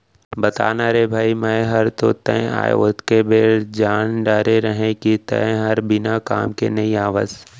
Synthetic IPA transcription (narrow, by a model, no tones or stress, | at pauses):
bɐt̪a̰ːnaɾebʱaːimɛɦɐɾt̪ot̪ə̰̃a̰ːḛot̪kebeːɽd͡ʒaːnɖaːɾeɾəɦẽkit̪ɐ̰ẽɦɐɾbɪnaka̰ːmkḛnɐiaːʋa̰ːz